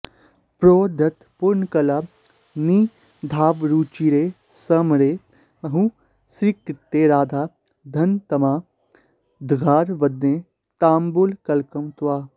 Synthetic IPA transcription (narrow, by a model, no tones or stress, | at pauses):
pɾoːd̪ʱɐt̪puɾɳkɐla | ni | d̪ʱaːʋɾuːt͡ʃiːɾeː | sɐmɾeː | mɐɦũ | sɾikɾɪt̪ːeːɾaːd̪ʱaː | d̪ʱɐnt̪ɐmaː | d̪ʱɡʱaːɾʋɐd̪neː | t̪aːmbulkɐlkɐmt̪waː